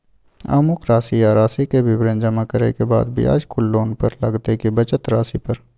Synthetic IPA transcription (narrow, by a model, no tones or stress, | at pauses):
a̰ːmʊkɾaːsijaɾaːsikebʱɪbɾə̃nd͡ʒɐmakəɾekeba̰ːd̪bʱḭa̰ːd͡ʒkʊlːoːnpəɾlɐɡt̪ekibɐt͡ʃət̪ɾaːsipɐɾ